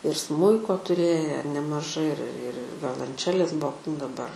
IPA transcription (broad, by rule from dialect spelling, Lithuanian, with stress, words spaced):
ɪr ˈsmʊɪkoː tʊˈrʲeːjæː nʲɛmɐˈʒɐɪ ɪr ɪr ɪr ɪr ʋʲoːlˠɐnʲˈt͡ʃʲæːlʲeːs ˈbuɔ dɐˈbɐr